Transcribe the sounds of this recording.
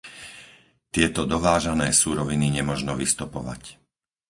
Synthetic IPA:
t̪ɪɛt̪ɔd̪ɔʋaːʒanɛːsuːɾɔʋiniɲɛmɔʒnɔʋist̪upɔʋa̰c

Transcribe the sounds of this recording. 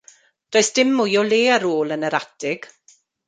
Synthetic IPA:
d̥oːɨsd̥ɪmːʊjɔleːaɾoːlˠənəɾatɪɡ̥

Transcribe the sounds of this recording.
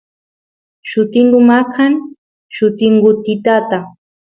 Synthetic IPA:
ʃʊt̪ɪŋɡʊmakʰan | ʃʊt̪ɪŋɡʊt̪ɪt̪at̪a

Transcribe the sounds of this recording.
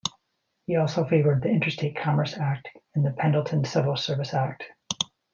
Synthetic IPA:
hiɔlˠsoʊfeɪvə˞d̪̚ðiɪ̃nt͡ʃɹ̥ɨsteɪt̚kʰɑmə˞sæk̚tɨ̃nðɨpʰɛ̃ndl̩ˠtʰɨ̃nsɪvɹl̩ˠsɜ˞vɨsæk̚t

